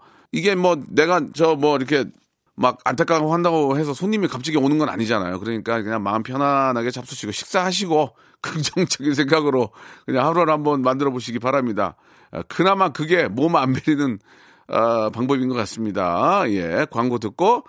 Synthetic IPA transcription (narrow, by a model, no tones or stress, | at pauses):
iɡe̞mwʌne̞ɡat͡ɕʌmwʌiɾʌkʰe̞ | maɡ̚a̰ntʰak͈aɡohandaɡohe̞sʰʌsʰoɲːimikap̚t͡ɕ͈iɡionɯnɡʌna̰ɲid͡ʑana̰jo̰kɯɾʌɲik͈akɯɲaŋmaɯnpʰjʌnanaɡe̞t͡ɕap̚s͈uɕʰiɡoɕʰi̥k̚s͈ahaɕ̬ʰiɡo | kɯk̚t͡ɕʌŋd͡ʑʌɡins̬ʰeŋɡaɡɯɾokɯɲaŋhapʰɯɾoɾhambʌnmandɯɾʌboɕ̬ʰiɡipaɾamɲida̰ | kɯnamankɯɡe̞momanbeɾinɯn | ʌpaŋbʌbinɡʌk͈as͈ɯmɲida̰je̞kwaŋɡotɯk̚k͈o